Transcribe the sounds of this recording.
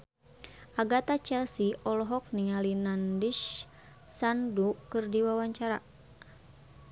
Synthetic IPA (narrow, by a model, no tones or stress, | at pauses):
ʔaɡat̪at͡ʃɛlsiʔɔlɔɦɔk̚niŋalinandiʃ | sandukɨrdiwawaɲt͡ʃaɾa